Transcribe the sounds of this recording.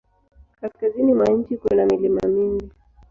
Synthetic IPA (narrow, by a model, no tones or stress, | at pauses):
kaskazinimwaɲ̩t͡ʃikwɛnamilimamiŋɡi